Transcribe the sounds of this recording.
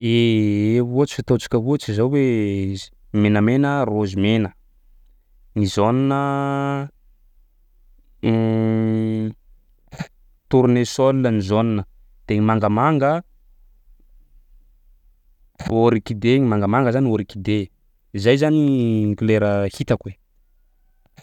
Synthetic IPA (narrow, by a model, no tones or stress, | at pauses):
eeuat͡ʃi̥fit̪ot͡ʃi̥kʲəɦuat͡ʃizawwe | menəmenərozimenə | ŋizoninə | t̪uɾunesolunənizoninə | d̪̥eɲimaŋɡəmaŋɡə | oɾikid̪eŋimaŋɡəmaŋɡəzanioɾikid̪e | izajzaniŋɡuleɾəhit̪akwe